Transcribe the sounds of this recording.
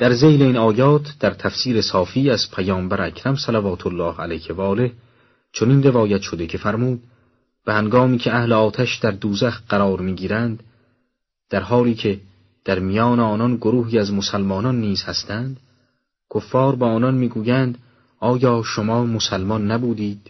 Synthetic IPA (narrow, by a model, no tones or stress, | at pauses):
d̪̥æɾze̞jle̞inɒːjɒːt̪ʰd̪̥æɾt̪ʰæfsiːɾe̞sɒːfiːæzpʰæjɒːmbæɾækʰɾæmsælævɒːt̪ʰolːɒːhælæjhevɒːle̞h | t͡ʃʰoninre̞vɒːjæt̪ʃo̞d̪e̞cʰe̞fæɾmuːd̪ | b̥ehæŋɡɒːmiːcʰeæhleɒːt̪ʰæʃd̪æɾd̪uːzæxt̪ɢæɾɒːɾmiːɡiːɾænd̪ | d̪̥æɾɦɒːliːcʰe̞ | d̪̥æɾmijɒːneɒːnɒnɡoɾuːɦiːæzmosælmɒːnɒnːiːz̥hæst̪ʰænd̪̥ | kʰofːɒːɾbeɒːnɒnmiːɡuːjænd̪ | ʔɒːjɒːʃomɒːmosælmɒnːæbuːd̪iːd̪̥